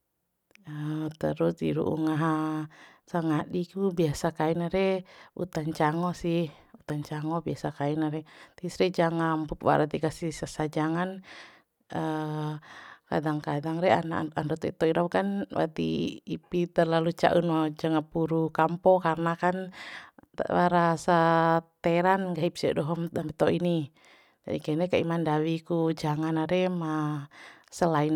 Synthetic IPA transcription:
ət̪əɾusḭɾṵʔṵŋaɦa | saŋaɗikubiasakainaɾɛṵt̪aɲt͡ʃaŋɔsih | ut̪aɲt͡ʃaŋɔbiasakainaɾɛt̪isɾɛd͡ʒaŋampukwa̰ɾat̪ikasisasad͡ʒaŋan | ə | ka̰daŋkadaŋɾɛanaandɔt̪ḭt̪ɔiɾɔwkanwa̰t̪ḭːpit̪ərlalut͡ʃa̰ʔunɔd͡ʒaŋapuɾukampɔkarnakan̰ | wa̰ɾasat̪ɛɾanɡaɦipsia̰dɔɦɔmamit̪ɔʔini | d͡ʒa̰dikainɛkaḭmandawikud͡ʒaŋanaɾɛma | səlain

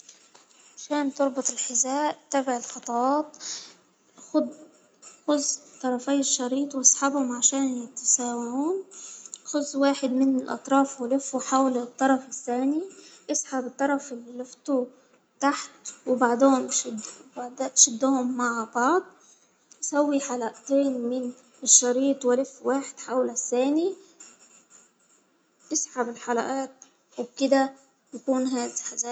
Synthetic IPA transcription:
ʕaʃaːnt̪ʊɾˤbʊt̪ˤɪlħɪzaːʔt̪abɪʕɪlxɑt̪ˤɑɑːt̪ | ʊd̪ | xʊzt̪ˤːɑɾˤɑfaːɪʃːɑɾiːt̪ˤwɑsˤħabhʊmʕaʃaːnjɪt̪asaːwaʕuːnxʊzwaːħɪd̪mɪnɪlʔɑ̰t̪ˤɾˤɑːfwlɪfːuħawlt̪ˤːɑɾˤɑfɪθːaːniʔɑsˤħabɪt̪ˤːɑɾˤɑfɪliːɪft̪u | t̪aħt̪wɪbaʕd̪eːnʃɪd̪baʕd̪aːʃɪd̪ːʊhʊmːaʕbɑʕd̪ˤ | ʔsawːiħalaʔt̪eːnmɪn | ɪʃːɑɾiːt̪ˤwɪlɪfwaːħɪd̪̥ħawlasːaːni | ʔɪsħabɪlħalaʔaːt̪̚ | wɪb̚kɪd̪a | jakuːnɦaːd̪ħazaː

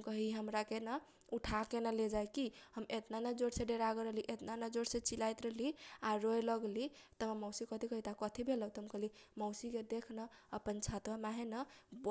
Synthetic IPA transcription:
kəɦiɦəmɾakenə | uʈʰakenəled͡ʒajkiɦəmet̪nanəd͡ʒoɽsẽɖeɾaɡəɾəɦliʔet̪nanəd͡ʒoɽsẽt͡ʃilajt̪ɾəɦliaɾojləɡlit̪əmamɔwsikət̪ʰikəɦit̪akət̪ʰibʱelət̪ɦəmkəɦlimɔʊsiked̪ekʰnəəpənt͡ʃʰat̪wamaɦenəb

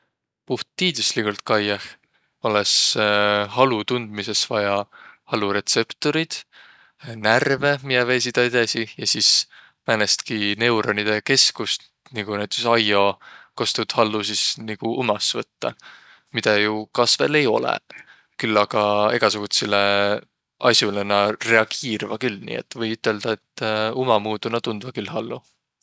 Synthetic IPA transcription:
puht̪ːiːd̪̥uslikult̪̚kɑjɑh | oles | hɑlut̪und̪̥mise̞svɑjɑhɑluɾe̞t̪se̞pt̪o̞ɾid̪̥ | nærve̞mijɑvesid̪̥ɑed̪esijɑsiːs | mænest̪kine̞wɾonid̪̥e̞ke̞skust̪ | niɡ̥unejt̪ːˑe̥sɑjo̞kost̪ud̪̥hɑlːusisniɡ̥uʔumɑsvɤt̪ːɑ | mid̪̥ɑjukɑsve̞̰le̞jo̞̰lḛ | kylːɑɡ̥ɑe̞ɡ̥ɑsuɡ̥ut̪sile | ʔɑsʲjulenɑre̞ɑɡ̥iːɾvɑkylnḭːḛt̪ːˑvɤjyt̪ːˑe̞ld̪̥ɑe̞t̪ːumɑmuːd̪unɑt̪und̪̥vɑkylhɑlːu

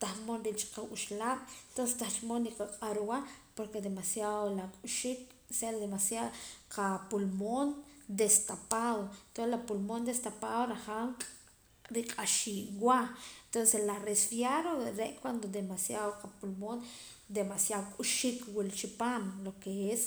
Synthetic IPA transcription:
t̪ahmonɾilt͡ʃi̥qauʃlaːɓ̥ent̪onsest̪aht͡ʃimonɾiqaqʼaɾuwapoɾked̪emasjaðolakʼuʃik | seld̪emasjaqʰapulmond̪est̪apaðot̪oslapulmond̪est̪apaðoɾaχaŋqʼ | ɾiqʼaʃiːʔwaent̪onseslaresfjaɾoɾeʔkwand̪od̪emasjaðoqapulmon | d̪emasjaðokʼuʃikwilt͡ʃipaːmlokees

